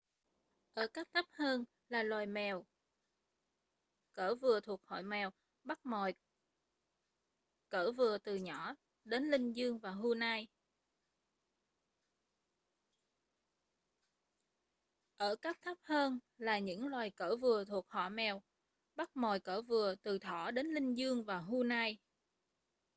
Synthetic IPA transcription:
ʔəː˧˩kaː˦˥k̚t̪ʰə˦˥p̚həː˧n | laː˨˩lwaː˨˩jmɛ˨˩w | kəː˧˩vɨ˨˩ət̪ʰu˨˩ək̚hɔ̰˧˨jmɛ˨˩w | ɓa˦˥t̚mɔ˨˩j | kəː˧˩vɨ˨˩ət̪ɨ˨˩ɲɔ˧˩ | ɗe˨˦nlï˧ŋ̟zɨ˧əŋvaː˨˩ɦu˧naː˧j | ʔəː˧˩kaː˦˥k̚t̪ʰə˦˥p̚həː˧nlaː˨˩ɲɨ̰˧˥ŋlwaː˨˩jkəː˧˩vɨ˨˩ət̪ʰu˨˩ək̚hɔ̰˧˨mɛ˨˩w | ɓa˦˥t̚mɔ˨˩jkəː˧˩vɨ˨˩ət̪ɨ˨˩t̪ʰɔ˧˩ɗe˨˦nlï˧ŋ̟zɨ˧əŋvaː˨˩wɦu˧naː˧j

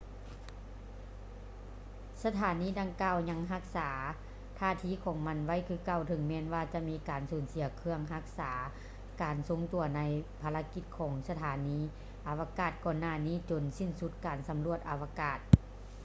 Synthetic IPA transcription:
sa˧t̪ʰaː˨˦niː˧˥˨da˧ŋkaː˧˨wɲa˧˥ŋɦa˧˥k̚saː˩˦ | t̪ʰaː˧˨t̪ʰiː˧˨kʰɔː˨˦ŋma˧˥˨nwa˧˥˨jkʰɯː˧˨ka˧˩˨wt̪ʰɯ˨˧˦ŋmɛː˧˥˨nwaː˧t͡ɕa˧ʔmiː˧˥kaː˨˩nsuː˩˦nsi˨˦ɐkʰɯ˧əŋɦa˧˥k̚saː˩˦ | kaː˨nso˧˦ŋt̪u˨˩ɐna˧˨jpʰaː˧la˧˥ki˧t̪̚kʰɔː˩˦ŋsa˧t̪ʰaː˨˩˦niː˧˥˨ | ʔa˨˩wa˧kaː˧˩t̪̚kɔː˧˨nːaː˧˩˨niː˥˨t͡ɕo˨nsi˧˩˨nsu˧˥t̪̚kaː˨˩nsa˨˦mlu˧˩ət̪̚ʔa˨wa˧kaː˧˩t̪̚

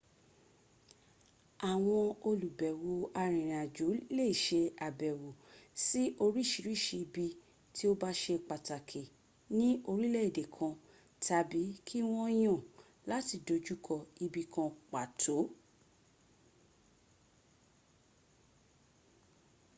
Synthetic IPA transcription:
a˨w̃ɔ̃˧o˧lu˨bɛ˨wo˨a˧ɾ̃ĩ˨ɾ̃ĩ˨a˨d͡ʒu˨˦le˦˨ʃe˧a˨bɛ˨wo˨si˦ʔo˧ɾi˦˨ʃi˨˧ɾi˦ʃi˧bi˧ | ti˦o˦ba˦ʃe˧k͡pa˨ta˨kʰe˨ | nĩ˦o˧ɾi˦lɛ˦i˨de˨kʰã˧ | ta˨bi˨˦kʰi˦w̃ɔ̃˦j̃ã˦˨ | la˦ti˧˨do˧d͡ʒu˦kʰɔ˧i˧bi˧kã˧k͡pa˨tʰo˨˦

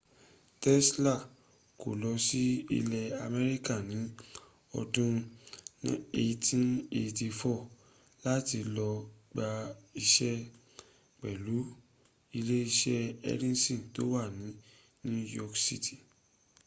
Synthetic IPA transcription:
tɛ˦sla˦˨ | ko̰˨lɔ˧si˦ḭ˧lɛ˧a˧mɛ˧ɾi˦ka˦˨nĩ˨˦ | ɔ̰˧dũ˦ | e˧tʰĩ˦ne˧ti˧fɔ˦˨ | la˦ti˧lɔ˧ɡ͡ba˧i˧ʃɛ˦ | k͡pɛ˨lu˨˦ | i˧le˦i˧ʃɛ˦ɛ̰˦ɾĩ˦nsĩ˦˨to˦wa˦˨nĩ˨˦ | nĩ˦jɔ˧ksḭ˦tʰi˦˨

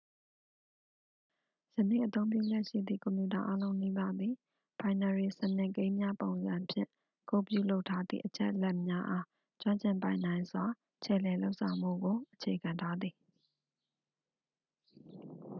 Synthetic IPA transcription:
jə˨nḭ˦˨ʔət̪õ˦ʊ̃mp̬jṵ˦˨d͡ʑɛ˦ʔʃḭ˦˨d̪ðḭ˦˨kɔ̃˨mju˨ta˨ʔa˦lõ˦ʊ̃ni˦ba˦˨d̪ði˨ | b̥ã˨ɪ̃na˨ɹe˨sə˨nɪ̃˨kẽ˦ɪ̃mja˦põ˨ʊ̃nzã˨pʰjɪ̰̃˦˨ | ko˦˨pjṵ˦˨lo˦ʊʔtʰːa˦d̪ðḭ˦˨ʔət͡ɕʰɛ̰˦ʔlɛ˦ʔmja˦ʔa˦ | t͡ɕwã˦ɲt͡ɕʰɪ̃˨mpã˨ɪ̃nã˨ɪ̃nzwa˨ | t͡ɕʰɛ̰˨lɛ˨lo˦ʊʔsʰã˨ʊ̃m̥ṵ˦˨ɡo˨ʔət͡ɕʰe˨kʰã˨ntʰa˦d̪ði˨

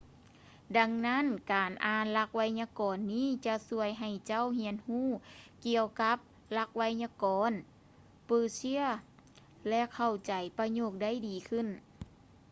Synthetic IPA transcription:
da˧˥ŋna˦˥˨nkaː˨˩nʔaː˨˩nla˧˥k̚wa˧jɲa˧kɔː˨˩nːiː˥˨t͡ɕa˧˥su˧əjɦa˨˩jt͡ɕa˧˥˨whi˧˥ənhuː˥˨ki˧˨əwka˧˦˥p̚ | la˧k̚wa˧jɲa˧kɔː˨˦n | pɤː˧˩si˧˥ə | lɛ˧˥kʰa˧˩wt͡ɕa˨˩jpa˧ɲoː˧˩k̚da˧˥˨jdiː˨˩kʰɯ˧˥˨n

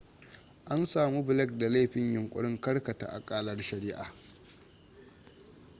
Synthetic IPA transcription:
ʔa˦nsaː˨mu˦bɪ˨lɛ˦k̚da˨la˦ɸɪ˦ɲjʊ˨ŋkʷʼʊ̰˦ɽɪ˦ŋkɐ˦ɽkɐ˨ta̰˨ʔa̰˨kʼaː˦lɐ˦rʃɐ˨ɾɪː˦ʔa̰ː˨

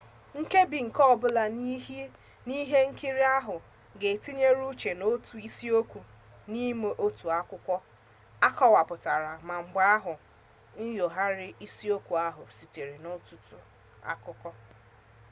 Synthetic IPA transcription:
ŋ̩˦ke˦bi˨ŋ̩˨kɔ˦˨bʊ˦la˨ni˦ɦe˦ | ni˦ɦe˦ŋ̩˦ki˦ɾi˦a˦ɦʊ˨ | ɡe˨ti˦ɲe˦ɾu˦t͡ʃe˨no˦tu˨i˦si˦o˦kʷu˨ | ni˦me˦ʔo˦tu˨a˦kʊ˦kʷɔ˦ | a˦kɔ˦wa˨pʊ˨ta˨ɾa˨ma˨ŋ͡m̩˨ɡ͡ba˦a˦ɦʊ˨ | n̩˦jo˨ɦa˦ɾɪ˦ʔi˦si˦o˦kʷu˨a˦ɦʊ˨si˨te˨ɾe˨no˦tʊ˨tʊ˨ | a̰˦kʊ˦kɔ˦

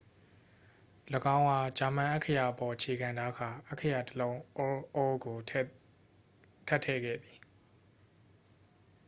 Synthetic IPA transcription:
lə˨ɡã˦ʊ̃ʔa˨t͡ɕa˨mã˨ʔɛ˦kʰə˦ja˨ʔəpɔ˨ʔət͡ɕʰe˨ɡã˨nda˦ɡʰa˨ʔɛ˦ʔkʰə˦ja˨təlõ˦ʊ̃˦ʔɔ˦ɡo˨ | tʰɛ˦tʰɛ̰˦˨ɡɛ̰˦˨d̪i̥˨

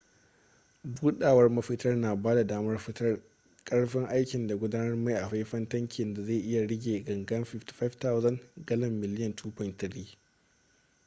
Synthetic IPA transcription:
buː˦ɗaː˨wɐ˦rmɐ˦ɸɪ˦tɐ˦rnaː˨baː˦da˨daː˦mɐ˦r | kʼɐ˦ɽɸɪ˦ŋʔa˦jkʲɪ˨nda˨ɡʷʊ˦daː˦nɐ˦rma˦jʔa˨ɸa˦jɸɐ˦ntɐ˦ŋkʲʰɪ˨nda˨za˦˨ʔɪ˦ja˨ɽɪ˦ɡʲeː˨ɡɐ˨ŋɡɐ˦nɸɪ˦fti̥˨ɸa˦fta˦wzɐ˦˨nɡɐ˦lɐ˨mːɪ˨lɪ˦jɐ˨ntʰuː˦ɸɐ˨ntɪ˨ɽiː˦

